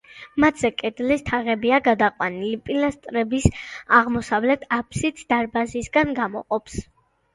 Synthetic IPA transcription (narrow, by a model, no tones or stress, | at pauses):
mat̪ʰz̥ɛkʼɛd̪list̪ʰaʁɛbiaɡad̪aqʼwanilipʼilast̪ʼɾɛbisaʁmɔsavlɛt̪ʰapʰsit̪ʰd̪̥aɾbazisɡanɡamɔ̰qʼɔpʰs